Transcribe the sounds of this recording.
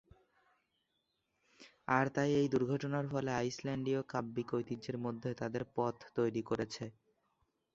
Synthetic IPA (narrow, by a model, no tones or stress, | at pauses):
aɾt̪ajejd̪uɾɡʱɔʈonaɾfɔleajslɛɳɖiokabːikojt̪id͡ʑeɾmod̪ʱːet̪ad̪eɾpɔt̪ʰt̪ojɾikoɾet͡ɕʰe